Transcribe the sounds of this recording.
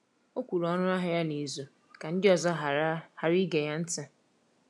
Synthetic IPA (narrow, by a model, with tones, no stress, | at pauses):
o˦kʷu˨ɾɔ˦nʊ˦a˦ɦa˨ja˦ni˨zo˨ | ka˨n̩˦dɪ˦ɔ˨zɔ˦ɦha˨ɾi˦ɡe˨ja˦n̩˦tɪ˦